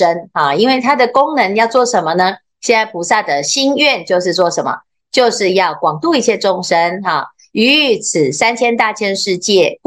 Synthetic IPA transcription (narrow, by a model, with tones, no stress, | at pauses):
ə˦nɑ˥˩i˥nwe˥˩ɪt̪ʰa˥d̪ə˨kʊ˥ŋnə˧˥ŋjɑ˥˧ʊt͡swɔ˥˩ʂə˧˥nmə˧nə˧ | ɕjɛ˥˧na˥˩ɪpʰu˨˩sa˥˩d̪ə˩ɕi˥nɥɛ˥˨nt͡ɕjo˥˧ʊʂ̬ɻ̩˥˧t͡swɔ˥˩ʂə˧˦nmə̰˩ | t͡ɕjo˥˧ʊʂɻ̩˥˧jɑ˥˩ʊkwɑ˨˩ŋt̪u˥˧i˥˩t͡ɕʰjɛ˥˧ʈ͡ʂʊ˥ŋʂə˦na˥˩ | y˧˥˩t͡s̩ʰ˨˩sa˦nt͡ɕʰjɛ˥nt̪a˥˧˩t͡ɕʰjɛ˥˧nʂɻ̩˥˧t͡ɕjɛ˥˩